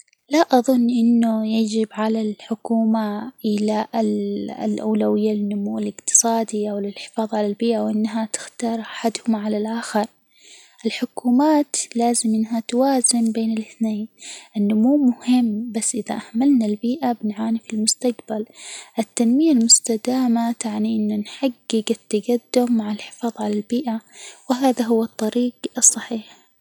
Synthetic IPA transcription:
laʔɑðˤʊnːʔɪnːʊjad͡ʒɪbʕalalħʊkuːmaʔɪla | lʔawlawɪjːalɪnːʊmuːɪlɪqt̪ɨ̥sˤɑːd̪iʔawɪlɪlħɪ̥fɑːðˤʕalalbiːʔawʔɪnːɦat̪ɪ̥xt̪ɑːɾˤʔaħad̪hʊmʕalalʔaːxɪɾˤ | ʔɪlħʊkuːmaːt̪laːzɪmʔɪnːɦat̪waːzɪmbeːnɪlʔɪθneːnʔɪnːʊmuːmʊhɪmːbasːʔɪða̰ʔaʕmalnalbiːʔabɪnʕaːnifilmʊst̪aqbalʔɪt̪ːanmɪjalmʊst̪ad̪aːmat̪aʕniʔɪnːʊnħaɡːɪɡɪt̪ːaɡad̪ːʊmːaʕɪlħɪ̥fɑːðˤʕalalbiːʔawɪɦaːðaɦʊwːɨt̪ˤːɑɾiːɡɨsˤːɑħiːħ

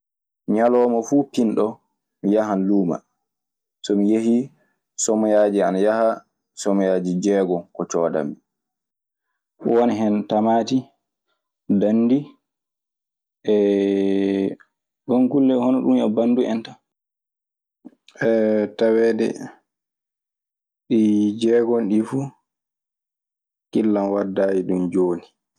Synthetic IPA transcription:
ɲalɔːmɔfuːpinɗɔ | mijaɦanluːma̰ | sɔmijehi | sɔmɔjaːd͡ʒianajaha | sɔmɔjaːd͡ʒid͡ʒɛːɡɔkɔt͡ʃɔːda̰mi | woniɦɛntamaːti | danːdi | ʔɛ | ɡɔŋkulːɛhɔnɔɗumɛbanduɛ̰nta | ɛtawɛːdɛ̰ | ɗid͡ʒɛːɡɔnɗifu | kilːanwadːajiɗumd͡ʒoːni

